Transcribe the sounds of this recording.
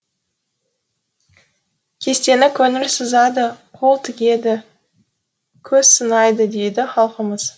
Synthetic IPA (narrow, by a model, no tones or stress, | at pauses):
kʲʰe̞st̪e̞nɪkʲʰɵnɪɾsəzɑd̪əqʰo̞lˠt̪ʰɪɡʲe̞d̪ɪ | kʲʰɵzsənɑjd̪əd̪ejd̪ɪχɑlˠqəməz̥